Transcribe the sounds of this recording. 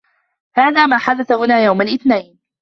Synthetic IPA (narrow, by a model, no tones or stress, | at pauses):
haːðaːmaːħad̪aθahʊnaːjawmalʔɪθnajn